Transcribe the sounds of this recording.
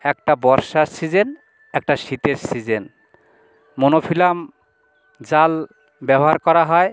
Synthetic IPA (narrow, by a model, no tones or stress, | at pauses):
ɛk̚ʈabɔɾʃaɾsid͡ʑen | ɛk̚ʈaʃit̪eɾsid͡ʑen | monofʰilam | d͡ʑal | bɛboɦaɾkɔɾaɦɔe